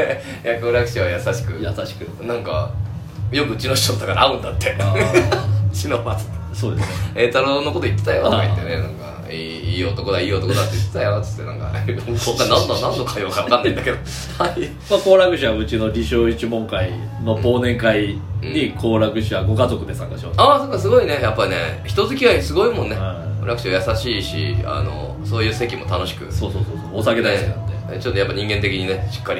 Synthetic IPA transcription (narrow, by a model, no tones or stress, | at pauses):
jakoːɾakɯ̟ɕiβajasaɕi̥kɯjasaɕi̥kɯ̟ | nãŋka̰ | jokɯ̟ɯ̟t͡ɕino̞ɕi̥tot̪ːakaɾaaɯ̟̃nd̪at̪ːe̞a | ɯt͡ɕinomat͡sɨ̥t̪ːeso̞ːd̪e̞sɨnet̪aɾono̞ko̞t̪o̞it̪ːet̪ajoit̪ːenenãŋka̰ | iː | iːo̞t̪o̞kod̪aiːo̞t̪okod̪at̪ːeit̪ːet̪ajot͡sɨ̥t̪ːenã̰ŋka̰bokːanãnd̪anãnːokajoːkaβakãnːaind̪aked̪o | ai | mako̞ːɾakɯ̟ɕiβaɯ̟t͡ɕino̞ɾʲiɕoːit͡ɕimõ̞ŋkai | nobo̞ːnẽ̞ŋkaiɲ̟ikʰo̞ːɾakɯ̟ɕiaɡo̞kazo̞kɯ̟d̪e̞sãŋkaɕiot̪aːso̞ːkːasɨɡo̞ine̞japːaineçi̥t̪o̞zɨkʲiβaisɨɡo̞imõ̞nːeao̰ɾakɯ̟ɕiajasaɕiːɕḭa̰no̞̰ | so̞ːjɯ̟ːse̞kʲimo̞t̪ano̞ɕi̥kɯ̟̰so̞ːso̞ːso̞ːsooːsake̞d̪sa̰t̪ːe | t͡ɕot̪ːojapːaɲĩŋɡe̞nt̪̬e̞kʲiɲ̟ineɕi̥kːaɾi